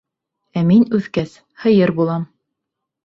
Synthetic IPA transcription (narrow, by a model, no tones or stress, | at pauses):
æminʉðkæs | hɤ̆jɤɾbulˠɑm